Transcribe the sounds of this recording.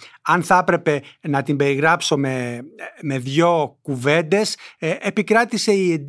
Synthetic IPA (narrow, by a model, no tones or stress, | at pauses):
ɐnθɐpɾe̞pe̞nɐt̪imbe̞ɾiɣɾɐpso̞meme̞ðʝo̞kuve̞nd̪e̞sepikɾɐt̪ise̞iend̪